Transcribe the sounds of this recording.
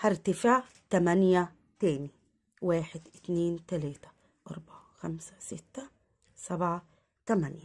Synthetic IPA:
hɑɾˤt̪afɪʕ | t̪amænja | t̪æːni | waːħɪd̪ʔɪt̪neːnt̪alæːt̪ḁ | ʔɑɾˤbaʕaxamsḁsɪ̰t̪ːa | sabʕa | t̪amænja

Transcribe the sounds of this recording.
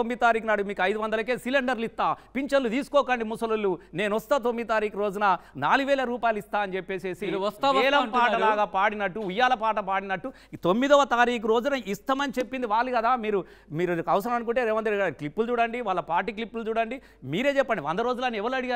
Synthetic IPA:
omːid̪it̪aːɾiːknaːɽumiːkɐjd̪uʋɐnd̪ɐlɐkeːsileɳɖɐɾlit̪ːaːpiɲt͡ʃɐlːut̪iːsu̥kɔːkɐɳɖimusɐlulːune̞ːnuʋɐst̪aːt̪̬omːid̪it̪aːɾiːkuɾo̞ːd͡ʒunɐnaːluɡuʋɛːlɐɾuːpaːjɐluist̪aːɐnit͡ʃepːe̞ːse̞ːsiɛːlɐmpaːʈɐlaːɡaːpaːɽinɐʈːuujːaːlɐpaːʈɐpaːɽinɐʈːu | t̪omːid̪ɔʋɐt̪aːɾiːk̬uɾo̞ːd͡ʒunɐʔist̪ɐmɐnit͡ʃe̞pːind̪iʋaːlːukɐd̪aːmiːɾu | miːɾɐʋɐsɐɾɐmɐnukuɳʈeːɾeːʋɐnd̪iɾɡaɾiklipːult͡ʃuːɽɐɳɖiʋaːɭlːɐpaːɾʈiklipːult͡ʃuːɽɐɳɖi | miːɾe̞ːt͡ʃɛpːɐɳɖiʋɐnd̪ɐɾo̞ːd͡ʒulɐniɛʋɐluɐɽiɡa

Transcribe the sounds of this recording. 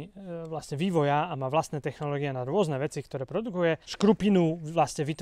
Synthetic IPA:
ʋlasɲɛʋiːʋɔjaamaːʋlast̪nɛːt̪ɛxnɔlɔːɡiɛnaɾʊɔznɛʋɛt͡sikt̪ɔɾɛːpɾɔd̪ukujɛʃkɾupinulasɲɛʋit̪

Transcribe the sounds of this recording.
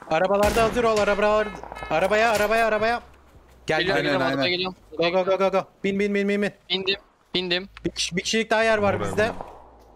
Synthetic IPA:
aɾabalˠaɾd̪aɦazɯɾo̞lˠaɾabaaɾaɾabajaːɾabajaːɾabaja | ɟ̥æld̪ajnæajnaɡelijoɡoɡoɡoɡoɡob̥inbinbinbinminbind̪im | b̥ind̪imbicʰi̥ʃbicʰiʃilʲik̚d̪aɦːjæɾvaɾbizd̪ɛ

